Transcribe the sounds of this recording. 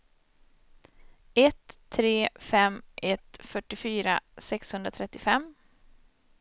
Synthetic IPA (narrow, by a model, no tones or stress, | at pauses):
ɛt̪ʰːɾeːfɛmʔɛt̪fœʈːɪfyːɾa̰sɛkshɵnd̪ɾat̪ʰɾɛt̪ːɪfɛm